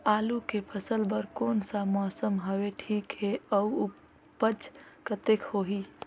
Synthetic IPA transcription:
aːlukepʰəsəlbəɾkoːnsamɔːsəmɦəweʈʰiːkɦeəuu | pəd͡ʒkət̪ekhoːɦi

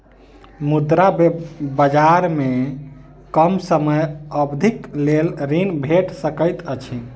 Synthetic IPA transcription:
mud̪ɾabəd͡ʒaɾme | kəmsəməjəbd̪ʱiklelɾinbʱeʈsəkəjt̪ət͡ʃʰi

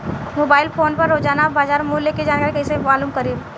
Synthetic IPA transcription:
moːbaːɪlpʰoːnpɐɾːoːd͡ʒaːnabaːd͡ʒaːɾmuːlːeked͡ʒaːnkaːɾkɐisemaːluːmkəɾiːb

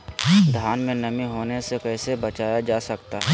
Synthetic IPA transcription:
d̪ʱjaːnmẽnɐmiɦoːnesekɛːsebɐt͡ʃaːjad͡ʒaːsɐkt̪aɦɛ

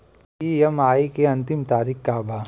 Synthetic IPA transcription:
ijɐmaːikeɐ̃nt̪ɪmt̪aːɾiːkkaːbʱaː

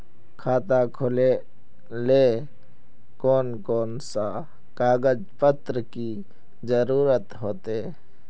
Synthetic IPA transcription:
kʰaːt̪akʰʊle | le | koːnkoːnsa | kaːɡəd͡ʒpət̪ɾəki | d͡ʒəɾuːɾət̪ɦoːt̪eː

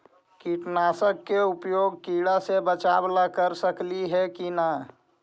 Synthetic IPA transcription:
kiʈnaːsəkːeʊpjoːɡ̚kiːɽasebət͡ʃaːblakəɾsəkliɦɛkina

